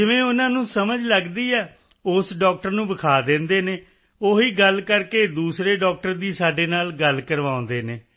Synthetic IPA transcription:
d͡ʒɪʋẽːʊnãːnũːsəməd͡ʒləɡd̪iːɛː | ʊsɖɔːk̚ʈəɾnũːbəkʰaːd̪ẽːnd̪eːneː | oːɦiːɡəlkəɾkeːd̪uːsɾeːɖɔːk̚ʈəɾd̪iːsaːɖeːnaːlɡəlkəɾʋaːõnd̪eːneː

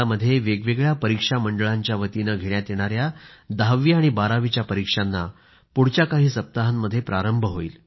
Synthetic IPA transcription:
aməd̪ʱːjeʋeɡʋeɡɭjapəɾikʂaməɳɖəɭaɲt͡ɕjaʋət̪inaɡʱeɭjat̪jeɽ̃aɾjad̪aʋiːaɽ̃ibaɾaʋit͡ɕjapəɾikʂanːa | puɽ̤t͡ɕjakaɦiːsəp̚t̪aɦanməd̪ʱːjepɾaɾəmbʱəɦoiːl

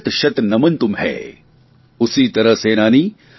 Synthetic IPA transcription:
t̪ʃɐt̪nɐmɐnt̪umɦɛ̰ː | usiːt̪ɐɾɐseːnaːniː

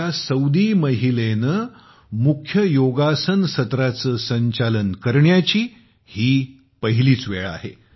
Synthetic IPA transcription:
asəwd̪iːməɦilenə | mukʰjəjoɡasənsət̪ɾat͡səːsəɲt͡ɕalənkəɾɳjat͡ɕiː | hiː | pəɦiliːt͡sʋeɭa̰he

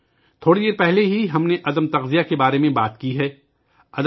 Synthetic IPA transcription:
t̪ʰoːɽid̪eːɾpɛɦleɦiɦɐmneʔɐd̪əmt̪ɐqzijakebaːɾemẽbaːt̪kiɦɛː | ɐd̪

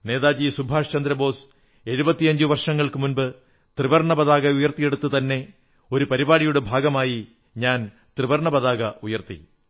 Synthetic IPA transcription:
ne̞ːðaːd͡ʑisubʱaːʂt͡ɕɐnd̪ɾɐbo̞ːs | e̞ɻubɐt̪ːiɐɲd͡ʑuʋɐrʂɐŋːɐɭkɨmunbɨ | t̪riʋɐrɳɐbɐðaːɣɐujɐrt̪ije̞ɽut̪ːut̪ɐnːe̞ | o̞ɾupɐɾibaːɽijuɽebʱaːɡɐmaːji | ɲaːn | t̪riʋɐrɳɐbɐðaːɡɐujɐrt̪ḭ

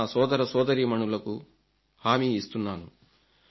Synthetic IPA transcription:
aːsɔːd̪ɐɾɐsɔːd̪ɐɾiːmɐɳulɐku | haːmiːist̪unːaːnu

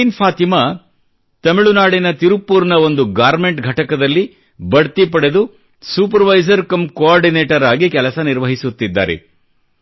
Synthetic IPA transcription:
inpʰaːt̪imɐ | t̪ɐmiɭunaːɽinɐt̪iɾupːuːɾnɐo̞nd̪uɡaːɾme̞ɳʈɡʱɐʈɐkɐd̪ɐlːi | bɐɽt̪ipɐɽe̞d̪u | suːpɐɾʋɐjzɐɾkɐmkoaːɾɖineːʈɐɾaːɡikɛlɐsɐniɾʋɐɦisut̪ːid̪ːa̰ːɾḛ

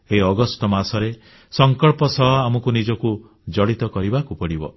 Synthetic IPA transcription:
eɦiɔɡɔst̪ɔmasɔɾe | sɔŋkɔɭpɔsɔɦɔamɔkunid͡ʒɔku | d͡ʒɔɽit̪ɔkɔɾibakupɔɽibɔ̰

